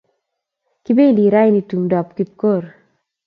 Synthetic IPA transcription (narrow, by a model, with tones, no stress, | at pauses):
ki˦be˦˨li˨ɾa˦jni˦tu˨mdɔ˨pki˦p̚ko˦˨ɾ